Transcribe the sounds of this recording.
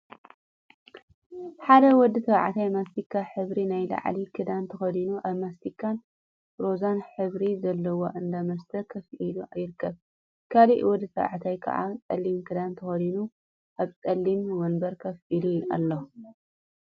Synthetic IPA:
ħad̪ɐwɔd̪ːɨt̪ʰɐβʕt̪ʰajmast̪ikʰːaħɨβɾinajla̰ʕlikʰɨd̪ant̪ʰɐxɐd̪inuʔaβmast̪ikʰːan | ɾo̞zanħɨβɾizɐlːɐwoʔɨnd̪amɐst̪ʰɐkʰɐfʔiluʔajɪɾɨkːɐβ | kʰaliʔwɔd̪ːɨt̪ʰɐβʕt̪ʰajkʰɐ̰ʔa̰t͡sʼɐ̰lːimkʰɨd̪ant̪ʰɐxɐd̪inu | ʔaβt͡sʼɐlːimwɔnbɐɾkʰɐfʔilua̰lːo

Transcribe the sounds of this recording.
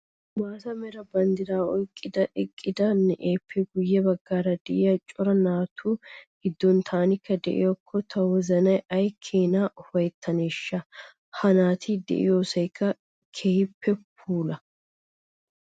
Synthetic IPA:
waːsɐmɛɾɐbɐnd̪ɪɾaːɔjkʼːɪd̪ɐʔɪkʼːɪd̪ɐnɛʔeːpʰːɛɡʊjːɛbɐɡːaːɾɐd̪ɛʔɪjɐt͡ʃʼɔɾɐnaːt̪ʰuːɡ̥ɪd̪ːɔnt̪ʰaːnɪkːɐd̪ɛ̰ʔɪ̰jɔkʰːɔt̪ʰɐwɔzɐnɐjɐjkʰːeːnaːʔʊfɐjt̪ʰːɐneːʃːɐ | hɐnaːt̪ʰɪd̪ɛ̰ʔɪ̰joːsɐjkʰːɐ | kʰehɪpːɛp̚ʰuːlɐ

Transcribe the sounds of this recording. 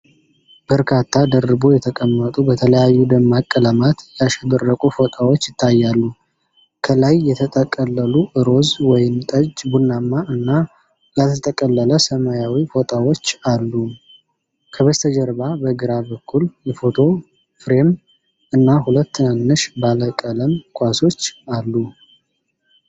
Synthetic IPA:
b̥əɾkʰat̪ʰːad̪ərːɨbo̞jɛt̪ʰəkʼəmːət̪ʼubət̪ʰələjajːud̪əmːakʼːələmat̪jaʃɛd̪ərːəkʼufo̞t̪ʼawo̞t͡ʃːjɪt̪ʰːajːalːu | kʰəlajːɛt̪ʰət̪ʼʰəkʼəlːəluʔɨɾo̞zwɔjɪmt̪ʼəd͡ʒbunːamːaɨnːa | lat̪ʰət̪ʰʼəkʼəlːələsəmajawifo̞t̪ʼawo̞t͡ʃːalːu | kʰəβəst̪ʰəd͡ʒəɾbabəɡɨɾabəkːuljɛfo̞t̪ʰo̞ | fɾe̞m | ɨnːaɦulət̪ːɨnənːɨʃbaləkʼələmkʷʰaso̞t͡ʃːalːu

